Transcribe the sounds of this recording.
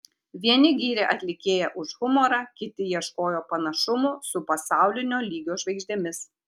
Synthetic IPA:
ʋʲiɛnʲɪɡʲiːɾʲɛʔɐt̪ʲlʲɪkʲeːjɛʔʊʃɣʊmoːɾɑkʲɪt̪ʲɪjiɛʃkoːjoːpɐnɐʃʊmʊsʊpɐsɑˑʊlʲɪnʲoːlʲiːɡʲoːʒʋɐɪɡʒʲd̪ʲɛmʲɪs

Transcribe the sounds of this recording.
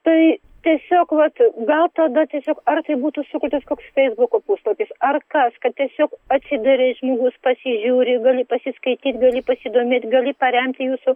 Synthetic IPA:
t̪ɐɪ | t̪ʲiɛsʲoːkʋɐt̪ɡɐlˠt̪ɐd̪ɐt̪ʲiɛsʲoːkɐrt̪ɐɪbuːt̪ʊsʊkʲʊt̪ʲɐskoːksfʲɛɪzbʊkoːpuːslˠɐpʲɪsɐrkɐskɐt̪̚t̪ʲiɛsʲoːkɐt̪ʲsʲɪd̪ɐɾʲeʒmoːɡʊspɐsʲɪʒʲuːɾʲɪɡɐlʲɪpɐsʲɪskɐɪt̪ʲiːt̪ʲɡɐlʲɪpɐsʲɪd̪oːmʲeːt̪ʲɡɐlʲɪpɐɾʲɛmʲt̪ʲɪjuːsʊ

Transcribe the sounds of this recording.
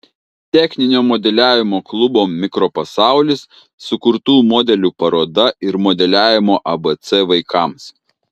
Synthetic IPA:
t̪ʲɛxʲnʲɪnʲoːmɔd̪ʲɛlʲæːʋʲɪmoːklˠʊboːmʲɪkɾoːpɐsɑˑʊlʲɪsː | ʊkʊɾt̪uːmɔːd̪ʲɛlʲuːpɐɾoːd̪ɐɪɾmɔːd̪ʲɛlʲæːʋʲɪmoːʔɐbɛt̪sɛʋɐɪkʰɑˑms

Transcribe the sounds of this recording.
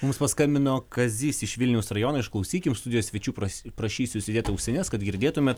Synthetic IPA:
mʊmspɐskɐmʲbʲɪnoːkɐzʲiːsʲɪʃʋʲɪlʲnʲɛʊsɾɐjoːnɐːɪʃklˠɐʊsʲiːkʲɪmst̪ʊd̪ʲɪjoːsʲʋʲɛt͡ʃʲuːpɐpɾɐʃʲiːsʲʊsʲɪd̪ʲeːt̪ɐʊʃʲsʲɛnʲɛskɐd̪ɡʲɪɾʲd̪ʲeːt̪ʊmʲeːt̪

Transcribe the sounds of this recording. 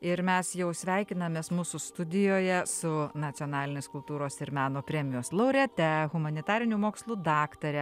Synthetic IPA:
ɪɾmʲɛsjɛʊsʲʋʲæˑɪkʲɪnɐmʲeːsmuːsʊst̪ʊd̪ʲɪjoːjɛsʊnɐt̪sʲɪoːnɑːlʲɪnʲeːskʊlˠt̪uːɾoːsɪɾmʲæːnoːpʲɾʲɛːmʲɪjoːslˠɐʊɾʲɛt̪ʲɛɣʊmɐnʲɪt̪ɑːɾʲɪnʲumoːkslˠuːd̪ɑːkt̪ɐɾʲɛ

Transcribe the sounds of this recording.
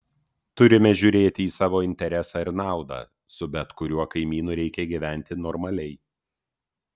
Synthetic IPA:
t̪ʊɾʲɪmʲɛʒʲʊːɾʲeːt̪ʲɪiːsɑːʋoːɪnʲt̪ʲɛɾʲɛsɑɪɾnɑˑʊd̪ɑ̰ː | sʊbʲɛt̪kʊɾʲuɔkɐɪmʲiːnuːɾʲɛɪkʲɛɡʲiːʋʲæˑnʲt̪ʲɪnɔɾmɐlʲɛɪ

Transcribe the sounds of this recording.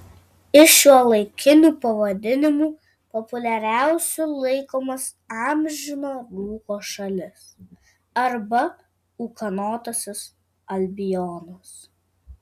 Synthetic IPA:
ɪʃʲuɔlˠɐɪkʲɪnʲuːpɐʋɐd̪ʲɪnʲɪmuː | pɔpʊlʲɛɾʲæˑʊsʲulˠɐɪkoːmɐs | ɑːmʲʒʲɪnoːɡ̪uːkoːʃɐlʲɪs | ɐɾbɐ | uːkɐnoːt̪osʲɪs | ɐlʲbʲɪjɔːnɐs

